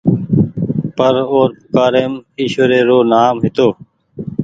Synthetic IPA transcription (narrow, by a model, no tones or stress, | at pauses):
pəɾoːɾpʊkaːɾemiːʃoːɾeːɾoːnaːmɦɪt̪oː